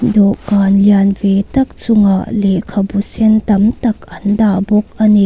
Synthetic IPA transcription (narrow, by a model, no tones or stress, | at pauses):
dɔkanljanvetɐk̚t͡sʊŋaʔlekʰɐbusɛnt̪ɐmtɐkʔɐndabɔk̚ʔɐni